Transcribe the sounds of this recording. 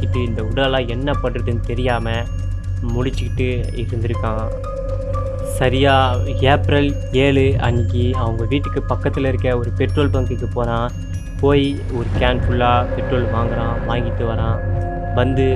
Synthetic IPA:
ɪʈːɯɪnd̪ɐʊɽɐlãːɛnːɐpɐʈːɯʈːɯnɯt̪ɛɾɪjaːmɐ | mʊɽɪt͡ʃːɯkːɪʈːɯɪɾɯnd̪ɪɾɯkːãː | sɐɾɪjaːeːpɾɐl | eːɭɯɐ̰nɪkːiɐʋɐŋɡɐʋiːʈːɯkːɯpɐkːɐt̪ːɪlɪɾɯkːɐɔɾɯpɛʈɾoːlpɐŋkɯkːɯpoːɾãː | poːj | ɔɾɯkaːnpʊɭːaːpɛʈɾoːlʋaːŋɡɐɾãːʋaːŋɡɪt̪ːɯʋɐɾãː | ʋɐnd̪ɯ

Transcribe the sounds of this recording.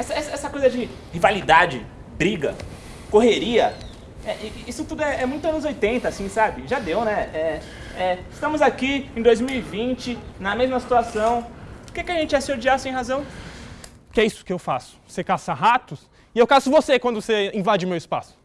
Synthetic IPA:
ɛsɐɛsɐɛsɐkojzɐd͡ʒɪ | hivalid̪ad͡ʒɪ | bɾiɡɐ̰ | koɦeɾiɐ | ɛʔɪisʊt̪ud̪ʊɛʔɛmũj̃t̪ʊɐ̃nʊzojt̪ẽnt̪ɐːsĩsabɪʒad̪ewnɛɛ | ɛɪst̪ɐ̃mʊzakiẽd̪ojzmiwivĩt͡ʃɪnɐmezmɐsi̥t̪uasɐ̃w̃ʊɾkekɪɐʒẽnt͡ʃɪɛsɪoɾd͡ʒiasẽj̃ɦazɐ̃w̃ | kɪɛisʊ̥kɪewfasʊ̥osekasɐɦat̪ʊs | ɪewkasʊvosekwɐ̃nd̪ʊseĩvad͡ʒɪʊmewispa̰sʊ̥

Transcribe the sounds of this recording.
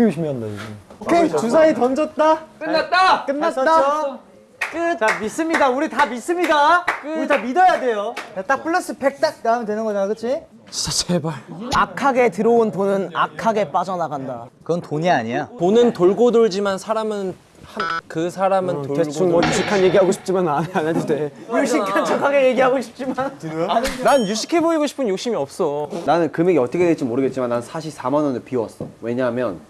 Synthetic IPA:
iuɕʰimndaoɡiokʰe̞t͡ɕus̬ʰaitʌnd͡ʑʌt̚t͈ak͈ɯnːat͈ak͈ɯnːat͈a | k͈ɯt͡ɕamis͈ɯmɲidauɾitamis͈ɯmɲidakɯitamidʌjade̞joat͈ak̚p͈ɯɭːʌs͈ɯpʰe̞k̚t͈ak̚naamʌndwe̞nɯnɡʌɲaakɯt͡ɕʰi | at͡ɕʰebaɭakʰaɡe̞tɯɾoonponɯnakʰaɡe̞p͈ad͡ʑʌnaɡandakɯɡʌntoɲiaɲiaponɯntoɭɡodoɭd͡ʑimansʰaɾamɯn | hankɯsʰaɾamɯntoeŋjuɕʰikʰanje̞ɡiɦaɡoɕʰi̥p̚t͡ɕ͈imanananad͡ʑidejuɭɕ͈ikʰant͡ɕʰakʰaɡe̞je̞ɡiɦaɡoɕʰi̥p̚t͡ɕ͈iman | nanjuɕʰi̥kʰe̞boiɡoɕʰi̥pʰɯnjok̚ɕ͈imiʌp̚s͈ʌnanɯnkɯmjeɡiʌt͈ʰʌkʰeded͡ʑimoɾɯɡet̚t͡ɕimanːanɯnsʰaɕʰis͈ʰamanʌnɯpiwʌs͈ʌwe̞ɲaɦamjʌn

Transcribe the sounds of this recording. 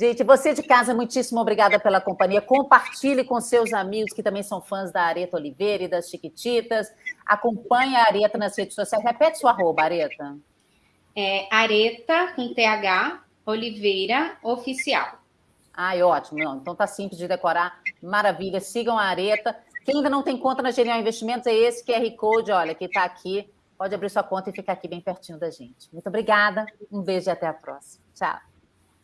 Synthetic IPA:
ʒ̥ẽt͡ʃɪvosed͡ʒɪkazɐmũj̃t͡ʃisimɐobɾiɡad̪ɐpelɐkõmpɐ̃ɲiɐkõpaɾt͡ʃilɪkõsewzamiɡʊskɪt̪ɐ̃mbẽj̃sɐ̃w̃fɐ̃zd̪ɐaɾet̪ɐolivejɾɐid̪ɐsʃikit͡ʃit̪ɐsa̰kõpɐ̃ɲɐaaɾet̪ɐnɐshed͡ʒʊsosiajzhepɛt͡ʃɪ̥suaɦobɐaɾet̪ɐ | ɛaɾet̪ɐkõt̪eaɡa | olivejɾɐofisia̰w | ajɔt͡ʃimʊnɐ̃ẽnt̪ɐ̃w̃t̪asĩplɪzd͡ʒɪd̪ekoɾamaɾaviʎɐsiɡɐ̃w̃aːɾet̪ɐkeɪ̃ãĩd̪ɐnɐ̃w̃t̪ẽj̃kõnt̪ɐnɐʒeɾiãwĩvest͡ʃimẽnt̪ʊzɛesɪ̥kɪɛhikowd͡ʒɪɔʎɐkɪt̪aːkʰi | pɔd͡ʒɪabɾiɾsuɐkõnt̪ɐɪfikaɾakibẽj̃peɾt͡ʃĩnʊd̪ɐʒẽt͡ʃɪ̥mũt̪obɾiɡad̪ɐũvezd͡ʒɪat̪ɛapɾɔ̰si̥mɐt͡ʃa̰w

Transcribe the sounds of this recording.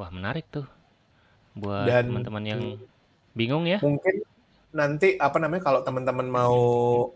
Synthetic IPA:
ahmənaɾɪk̚t̪ʊh | buatdaəmənt̪əmənjaŋ | biŋʊŋjamuŋkɪn | nant̪iʔapanamaɲakalot̪əmənt̪əmənmau

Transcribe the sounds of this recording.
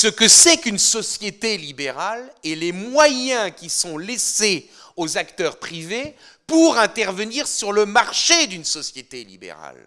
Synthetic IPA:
səkəsɛkynsɔsjet̪elibeʁalɛlemwajɛ̃kʲisɔ̃lese | ozakt̪œʁpχive | puʁɛ̃t̪ɛʁvəniʁsyʁləmaʁʃed̪ynsɔsjet̪elḭbḛʁa̰l

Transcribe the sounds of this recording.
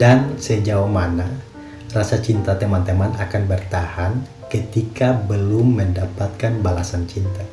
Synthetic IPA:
dansəd͡ʒaumana | rasat͡ʃint̪at̪emant̪emanakanbərt̪ahan | kət̪ikabəlʊmːəndapat̪̚kanbalasant͡ʃint̪a

